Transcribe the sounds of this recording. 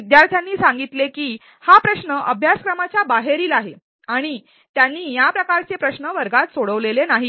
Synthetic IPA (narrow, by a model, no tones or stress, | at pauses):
id̪jaɾt̪ʰjanːiːsaŋɡit̪lekiː | hapɾəɕnəʔəbʱjaskɾəmat͡ɕjabaɦeɾiːlaɦe | aɽ̃i | t̪janːiːjapɾəkaɾt͡sepɾəɕnəʋəɾɡat̪soɽəʋlelenaɦi